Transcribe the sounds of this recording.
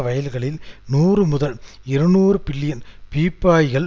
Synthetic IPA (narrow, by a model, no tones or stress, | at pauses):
ʋɐjɐlɣɐɭɪlnuːrɯmʊðɐl | ɪɾɯnuːrɯbɪlːɪjɐnpiːpːaːjɣɐɭ